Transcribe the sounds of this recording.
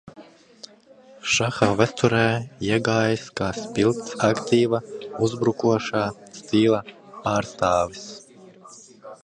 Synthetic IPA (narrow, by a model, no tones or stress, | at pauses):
ʃaxaːvæt̪uɾɛːiɛɡaːjiskaːspʲilˠkt̪sakt̪iːvauzbɾukuɔʃaːst̪iːlˠapaːɾst̪aːvis